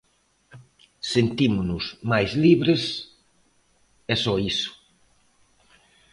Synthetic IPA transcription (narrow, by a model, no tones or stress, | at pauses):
sent̪imʊnʊzmajzliβɾes | ɛsɔisʊ̥